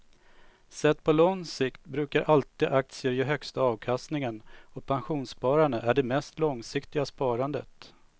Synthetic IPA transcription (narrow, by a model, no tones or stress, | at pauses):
sɛt̪ːpʰɔlɔŋsɪkt̪bɾʉ̟ːkaɾʔalt̪iːd̪ʔak̚t̪sɪəɾjɛɦœkst̪aɑːvkʰast̪nɪŋənɔpʰanɧuːnspɑːɾaɳəʔæɖɛmɛst̪lɔŋsɪkt̪ɪɡaspɑːɾand̪ə̰t̪